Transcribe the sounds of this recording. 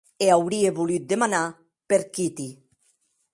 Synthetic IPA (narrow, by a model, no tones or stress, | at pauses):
eawɾieβulyt̪̚d̪emana | peɾkit̪i